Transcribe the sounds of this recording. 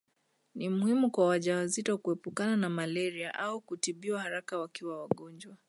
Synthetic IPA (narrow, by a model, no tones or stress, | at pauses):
nimuhimukwawaʄawazitɔkuɛpukananamalɛɾiaʔaukutiɓiwahaɾakawakiwawaɠɔnd͡ʒwa